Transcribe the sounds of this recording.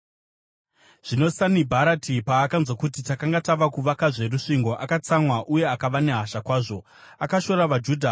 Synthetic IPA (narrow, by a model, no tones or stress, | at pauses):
ʐ̥ino̞sanibʱaɾatʰipaːkanzwakutitakaŋɡataʋakuʋakaʐe̞ɾuʂiŋɡo̞ʔakat͡samwaʔuje̞akaʋane̞ɦaʃakwaːʐo̞ | akaʃo̞ɾaʋad͡ʒuːdʱa